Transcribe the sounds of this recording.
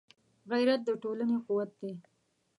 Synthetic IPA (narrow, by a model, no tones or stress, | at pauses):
ɣajɾat̪̚d̪əʈolanequwat̪̚d̪e